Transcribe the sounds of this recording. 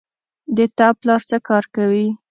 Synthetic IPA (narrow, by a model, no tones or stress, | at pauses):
d̪ət̪ɑplɑɾt͡səkɑɾkawi